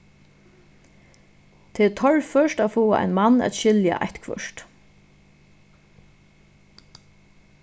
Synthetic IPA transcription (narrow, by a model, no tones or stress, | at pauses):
t̪ʰɛɛt̪ʰɔɹfœʃtaːfoːa̰ʔa̰ɪnmanːæ̰t̪ʃɪlja̰ʔa̰ht̪kʰvœ̰ʂt̪